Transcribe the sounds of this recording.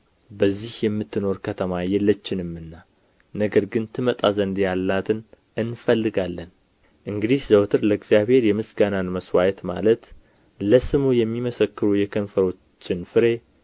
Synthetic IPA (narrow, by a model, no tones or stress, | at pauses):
bəzːihjɛmːɨt̪ːɨno̞ɾkʰət̪ʰəmajɛlːət͡ʃːɪnɨmːɨnːa | nəɡəɾɡɨnt̪ʰɨmət̪ʼazənd̪jalːat̪ʰɨn | ɨnfəlːɨɡalːən | ʔɨŋɡɨd̪izzəwt̪ʰɨɾləɡzijaβhe̞ɾjɛmɨsɡananməswajɛt̪ma̰lət̪ | ləsɨmujɛmːiməsəkːɨɾujɛkʰənfəɾo̞t͡ʃt͡ʃːɪnfɨɾe̞